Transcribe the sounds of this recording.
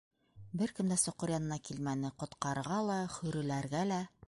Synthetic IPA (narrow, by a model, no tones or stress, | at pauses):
bɘɾkɘ̆md̪æsŏqɤɾjɑnɤ̆nɑkilmænɘqŏt̪qɑɾʁɑlˠɑχɵ̆ɾɘ̆læɾɡælæ